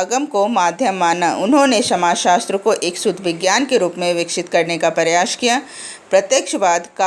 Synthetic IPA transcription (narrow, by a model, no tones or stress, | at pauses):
ɡəmkomaːd̪ʱjəmːaːnaʔʊnɦõneʃɐmaːʃaːst̪ɾəkoʔeːksʊd̪ʱʋɪɡjaːnkeɾuːpmẽʋɪkʃɪt̪kɐɾnekapɐɾjaːʃkija | pɾɐt̪jəkʃbaːd̪ka